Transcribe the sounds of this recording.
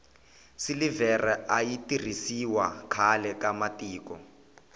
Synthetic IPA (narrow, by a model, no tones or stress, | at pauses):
silivɛrʔɛajitir̤isiwakʰalɛkamatiːkɔ